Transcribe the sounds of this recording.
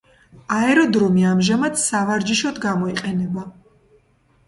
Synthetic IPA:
aɛɾɔd̪ɾumiamʒamad̪savaɾd͡ʒiʃɔd̪ɡamɔiqʼɛnɛba

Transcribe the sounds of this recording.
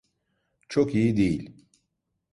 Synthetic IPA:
t͡ʃʰo̞kijid̪ejilʲ

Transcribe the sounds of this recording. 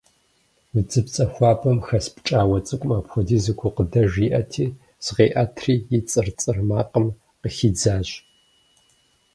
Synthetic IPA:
wɨd͡zɨpt͡sʼɐxʷɑːpʰʼɐmxɐspʰt͡ʃʼaːwɐt͡sʼɨkʷʼmaːpxʷɔdiːzɨkʷʰʊqədɐʒiʔɐtʰiː | sʁeːʔatʰriːjɪt͡sʼɨrt͡sʼɨrmaːqəm | qəxid͡zaːɕ

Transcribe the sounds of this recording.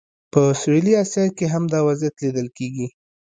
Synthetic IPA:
pəseliɑsjɑkeɦamd̪ɑwazjat̪lid̪əlkeɡi

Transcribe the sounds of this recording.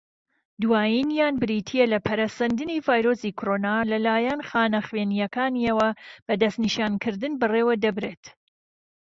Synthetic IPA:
d̪uwaːjinjaːnbɨɾiːt̪ʰijelɐpʰɐɾasɐnd̪ɨnivaːjɾoːsiːkʰoɾonalɐlaːjɛnxaːnɐxweːnijɐkaːniɐwɐb̥ɐd̪ɐst̪niʃaːnkɨɾd̪ɨnbɨreːwɐd̪ɐbɾeːt̪

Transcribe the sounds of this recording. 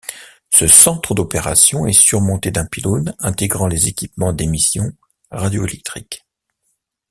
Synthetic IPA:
səsɑ̃t̪χəd̪ɔpeʁa̰sjɔ̃ɛsyʁmɔ̃t̪ed̪ɛ̃pilonɛ̃t̪eɡʁɑ̃lezekʲipmɑ̃d̪emisjɔ̃ | ʁad̪joelɛk̚t̪χḭk

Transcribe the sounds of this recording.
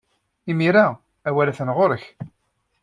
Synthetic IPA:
imiɾa | æwælæθənʁoɾəç

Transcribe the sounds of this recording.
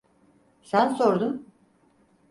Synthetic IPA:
sænso̞ɾd̪um

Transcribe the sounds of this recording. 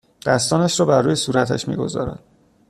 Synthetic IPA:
d̪̥æst̪ɒːnæʃɾɒːbæɾːuːjesuːɾæt̪ʰæ̰ʃmḭɡo̞̰zɒ̰ːɾæ̰d̪̥

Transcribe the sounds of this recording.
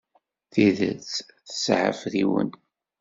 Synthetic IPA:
θiðə̰t͡s | θə̥sʕə̰fðiwə̰n

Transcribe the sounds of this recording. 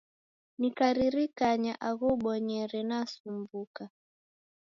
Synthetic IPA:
nikaɾiɾikaɲa̰ʔaɣuɓɔɲɛɾɛnasumbuka

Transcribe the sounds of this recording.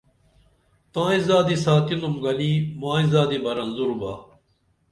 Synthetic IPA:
t̪ãːizaːd̪isaːt̪inumɡɐliːmãːizaːd̪ibɐɾɐnzuɾuba̰ː

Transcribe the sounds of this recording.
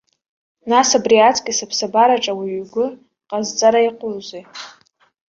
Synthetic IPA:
nasabriat͡sʰʼkʲʼisapʰsabaɾaʈ͡ʂʼawiɥɡʷʊ | qʼazt͡sʼaɾaiqʼʊrzʷej

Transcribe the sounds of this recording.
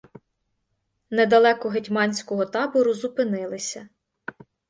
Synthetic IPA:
ned̪ɐlˠɛkɔɦetʲmɑnʲsʲkɔɦɔt̪ɑbɔɾʊzupɪnɪlˠɪsʲɐ

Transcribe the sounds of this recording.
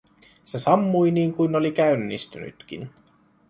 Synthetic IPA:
se̞sɑmːujniːŋkujno̞likæynːḭst̪yny̰t̪k̟ḭn

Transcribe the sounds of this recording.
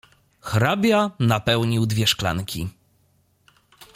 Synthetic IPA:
xɾabʲjanapɛwɲiwd̪vʲjɛʂkla̰ŋkʲḭ

